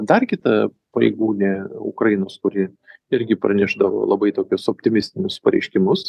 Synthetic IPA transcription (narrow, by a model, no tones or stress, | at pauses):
d̪ɐrkʲɪt̪ɐ | pɐɾʲḛːɡuːnʲeːʊ̰kɾɐjɪnoːskʊɾʲɪ | ɪɾʲɡʲɪpɾɐ̰nʲæʒd̪ɐʋo̰ːlˠɐbɐɪt̪oːkʲʊsopʲt̪ʲɪmʲɪsʲt̪ʲɪnʲʊspɐɾʲɛ̰ɪʃʲkʲɪmʊs